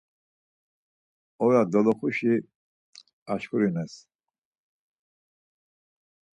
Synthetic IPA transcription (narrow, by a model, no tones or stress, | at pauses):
ɔɾad̪ɔlɔχuʃi | aʃkʰuɾinɛs